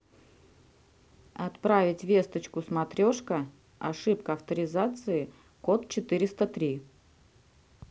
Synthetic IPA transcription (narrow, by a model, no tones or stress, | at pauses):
ɐt̪pɾavʲɪtʲvʲe̞st̪ət͡ɕkʊsmɐt̪ɾʲo̞ʂkə | ɐ̰ʂɨpkəɐft̪əɾʲɪzat̪sɨɪ | ko̞t̪̚t͡ɕɪt̪ɨɾʲɪst̪ət̪ɾʲi